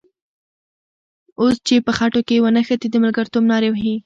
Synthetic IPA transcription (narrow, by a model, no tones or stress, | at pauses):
ost͡ʃepəxaʈokewənəxət̪id̪əmalɡəɾt̪omnɑɾewɦi